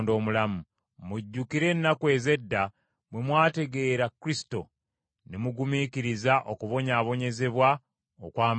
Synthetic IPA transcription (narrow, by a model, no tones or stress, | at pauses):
ndo̞ːmulamu | muɟːukiɾe̞nːakwe̞ːze̞dːa | mwe̞mwaːte̞ɡe̞ːɾakɾisto̞ | nemuɡumikiɾizaʔo̞kuβo̞ɲaːβo̞ɲe̞ze̞βwa | okwaːm